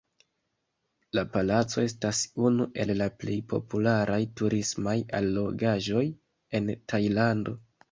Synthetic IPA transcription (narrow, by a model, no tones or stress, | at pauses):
lapalat͡so̞e̞s̬tasunuʔe̞lːaple̞jpʰo̞̰pulaɾʔajtuɾismaja̰lːo̞ɡaʒo̞j | e̞ntʰajlando̞